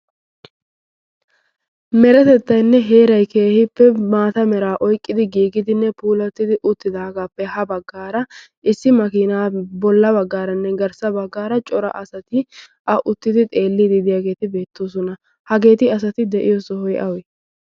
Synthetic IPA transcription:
mɛɾɛt̪ɛt̪ːɐjnːɛɦe̞ːɾɐjke̞ːhɪpːɛmaːt̪ɐmɛɾaːʔɔjkʼːɪd̪ɪɡiːɡɪd̪ɪnːɛpuːlɐt̪ːɪd̪ɪʔʊt̪ːɪd̪aːɡaːpːɛhɐbɐɡːaːɾɐ | ʔɪsːɪmɐkiːnaːbɔlːɐbɐɡːaːɾɐnːɛɡɐɾsɐbɐɡːaːɾɐt͡ʃʼɔɾɐ̰ʔɐsɐt̪ɪ | ʔɐʔʊt̪ːɪd̪ɪt̪ʼe̞ːlːid̪ɪd̪ɪjaːɡe̞ːt̪ɪbe̞ːt̪ːoːsɔnɐ | hɐɡe̞ːt̪ɪɐs̬ɐt̪ɪd̪ɛʔɪjosɔhɔjʔɐwɛ

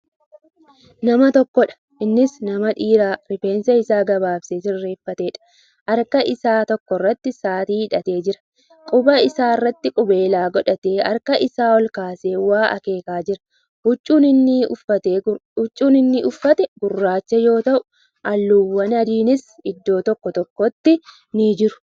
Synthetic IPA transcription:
nɐmɐt̪ɔkːɔᶑɐ̥ | ʔɪnːɪsnɐmɐᶑiːɾaːɾɪfe̞ːnsɐɪsaːɡɐbaːbsesɪrːe̞ːfːɐt̪e̞ːᶑɐ̥ | ʔɐɾkɐʔɪsaːt̪ɔkːɔrːɐt̪ːɪsaːt̪iːhɪᶑɐt̪eːd͡ʒɪɾɐ̥ | kʼʊbɐɪsaːɪrːɐt̪ːɪkʼʊbe̞ːlaːɡɔᶑɐt̪eːɐ̰ɾkɐʔɪsaːwɔlkaːse̞ːwaːʔɐ̰ke̞ːkaːd͡ʒɪɾɐ̥ | ʊt͡ʃʼːuːnɪnːɪfɐt̪eːʊt͡ʃʼːuːnɪnːɪʔʊfːɐt̪ɛɡʊrːaːt͡ʃːɛjo̞ːt̪ɐʔʊ | ʔɐlːuːwːɐnɐd̪iːnɪsɪd̪ːo̞ːt̪ɔkːɔt̪ɔkːɔt̪ːɪ | nɪd͡ʒɪɾʊ̥

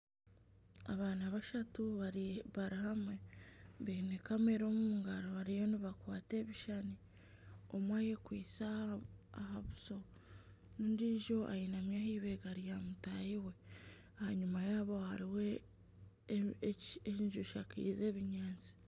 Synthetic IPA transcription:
a̰βaːnaβaʃatuaβaɾihamweβinekame̞ɾo̞ːmumuŋɡaɾoβaɾijo̞niβakwaːte̞ːβiʃani | o̞̰mwaːje̞kwiːsaː | haβuso̞ | nuːndiʒo̞ʔa̰jinamjahiːβe̞ɡaɾijamutajiwe̞ | ahaɲumajaːβo̞haɾiwe | eiɲʒuʃakḭːze̞ːβiɲaːnzi̥

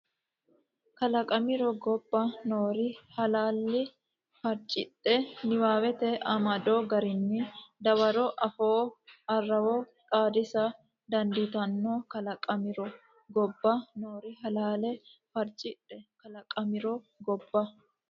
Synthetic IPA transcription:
kɐlɐkʼɐmɪɾɔɡɔbːɐnoːɾɪhɐlaːlːɪ | fɐɾt͡ʃʼɪtʼːɛnɪwaːwɛt̪ɛʔɐmɐd̪oːɡɐɾɪnːɪd̪ɐwɐɾɔʔɐfoːɐrːɐwɔkʼaːd̪ɪsɐ | d̪ɐnd̪ɪt̪ɐnːokɐlɐkʼɐmɪɾɔ | ɡɔbːɐnoːɾɪɦɐlaːlɛfɐɾt͡ʃʼɪtʼːɛkɐlɐkʼɐmɪɾɔ | ɡɔbːɐ

